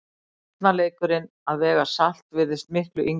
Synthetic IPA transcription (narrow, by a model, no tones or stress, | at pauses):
t̪naleːjkʏɾɪn | aðvɛːɣasal̥t̪vɪðɪst̪mɪhklʏʔiŋ